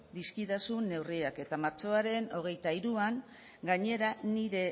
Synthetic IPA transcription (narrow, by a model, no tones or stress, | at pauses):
d̪iskit̪asunːe̞wriake̞t̪amaɾt͡ʃo̞aɾe̞no̞ɣ̞e̞jt̪aiɾuaŋ | ɡaɲe̞ɾaniɾe̞